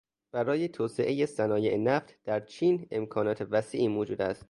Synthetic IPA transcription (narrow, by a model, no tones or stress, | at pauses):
b̥æɾɒːjet̪ʰoːseʔejesænɒːjeʔenæft̪d̪̥æɾt͡ʃʰiːne̞̰mkʰɒːnɒːt̪ʰe̞væsiːʔiːmoːd͡ʒuːd̪æst̪̚